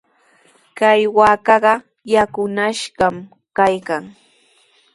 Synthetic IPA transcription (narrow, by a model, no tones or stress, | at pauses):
kajwaːkɑɢɑ | jakʊnaʃɢɑm | kajkaŋ